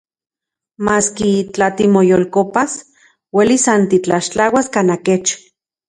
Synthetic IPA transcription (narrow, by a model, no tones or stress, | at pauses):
maːskit͡ɬat̪imojolkopas | welisant̪it͡ɬaʃt͡ɬawaskanaket͡ʃ